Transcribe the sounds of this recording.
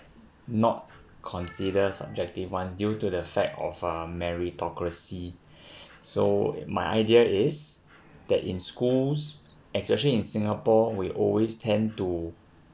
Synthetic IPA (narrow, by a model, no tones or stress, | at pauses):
nɔt̚ | kʰɔ̃nsidəsa̰b̚d͡ʒɛk̚tifwãns̬djutudəfɛk̚tɔ̰fəmɛɹitʰɔkɹəsi | so̰ma̰ɪʔa̰ɪdiəɪs | d̪̥ɛtĩnskuls | ɛkspɛʃəlĩːnsĩŋəpɔwiʔɔlwestʰɛ̃ntu